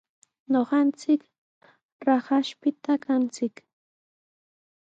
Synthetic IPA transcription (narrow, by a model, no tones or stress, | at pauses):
ɲoχɑnt͡sɪk | ɾɑχɑʃpɪt̪akʰant͡sɪk